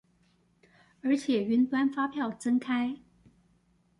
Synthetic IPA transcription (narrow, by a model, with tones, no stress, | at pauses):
ə˞˧˥t͡ɕʰjɛ˨˩y˧˥nt̪wa˥nfa˥pʰjɑ˥˩ʊt͡sə˥nkʰa˥ɪ